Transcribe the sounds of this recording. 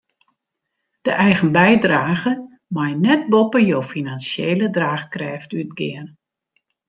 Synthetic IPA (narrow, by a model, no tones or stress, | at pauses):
d̥əʔɛjɣənbɛjdraːɣə | majnɛt̚bɔpəjoːfinansjeːlədraːxkrɛːftytɡɪən